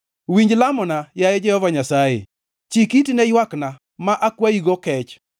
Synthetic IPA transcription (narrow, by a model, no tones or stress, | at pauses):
wiɲd͡ʒlamɔnajajɛd͡ʒɛhɔvaɲasajḛ | t͡ʃikitinɛjwakna | maʔakwaiɡɔkɛt͡ʃ